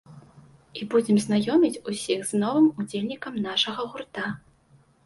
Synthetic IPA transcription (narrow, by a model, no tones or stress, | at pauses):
ibud͡zʲɛmznajɔmʲit͡sʲusʲiɣznɔvɨmud͡zʲelʲnʲikɐmnaʂɐɣɐɣurt̪a